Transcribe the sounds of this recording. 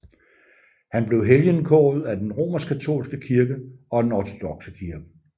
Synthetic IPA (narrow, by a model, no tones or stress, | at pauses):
hænb̥le̝ʊɦeljənkʰɔ̰ːð̩ˠæd̥enʁo̝̰ːmɐsɡkʰæt͡sʰo̝̰ːlsɡ̥əkʰiɐɡ̥əɒ̽d̥enɒt͡sʰo̝d̥ɒ̽ɡ̥səkʰiɐɡ̥ə